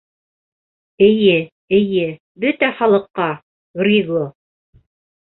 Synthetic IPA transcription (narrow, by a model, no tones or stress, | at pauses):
ɘ̆jɘ | ɘ̆jɘ | bɵt̪æχɑlˠɤ̆qːɑ | ɡrʲiɡlˠo